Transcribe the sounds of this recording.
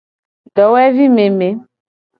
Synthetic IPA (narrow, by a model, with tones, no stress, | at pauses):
ɖɔ˨wɛ˦vi˦me˨me˨˦